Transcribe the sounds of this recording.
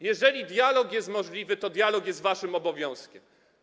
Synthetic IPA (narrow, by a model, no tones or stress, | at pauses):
jɛʐɛlʲid̪ʲjalɔkjɛst̪mɔʐlʲivɘt̪ɔd̪jalɔkjɛst̪vaʂɘmɔbɔvʲjɔ̃w̃skʲɛm